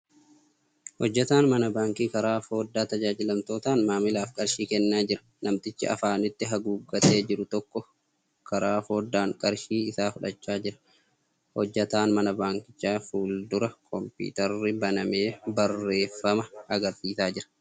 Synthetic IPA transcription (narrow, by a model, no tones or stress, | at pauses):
hɔd͡ʒːɐt̪aːnmɐnɐbaːŋkiːkɐɾaːfo̞ːd̪ːaːt̪ɐd͡ʒaːd͡ʒɪlɐmt̪o̞ːt̪aːnmaːmɪlaːfkʼɐɾʃiːkɛnːaːd͡ʒɪɾɐ̥ | nɐmt̪ɪt͡ʃːɪ̰ɐ̰faːnɪt̪ːɪɦɐɡuːɡɐt̪e̞ːd͡ʒɪɾʊt̪ɔkːɔ | kɐɾaːfo̞ːd̪ːaːŋkʼɐɾʃiːɪsaːfʊᶑɐt͡ʃːaːd͡ʒɪɾɐ̥ | hɔd͡ʒːɐt̪aːnmɐnɐbaːŋkɪ̥t͡ʃːaːfuːld̪ʊɾɐkʰɔmpḭːt̪ɐrːɪbɐnɐme̞ːbɐrːe̞ːfːɐmɐɐɡɐɾsiːsaːd͡ʒɪɾɐ̥